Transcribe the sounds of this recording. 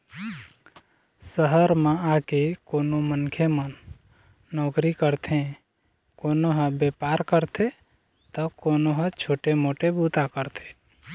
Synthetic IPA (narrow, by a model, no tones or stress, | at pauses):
səɦəɾmeakekonomənkʰemənː | ɔkɾikəɾt̪ʰẽ | konoɦə̃bepaɾkəɾt̪ʰe | t̪ɔkonoɦət͡ʃʰoʈemoʈebut̪akəɾt̪ʰe̥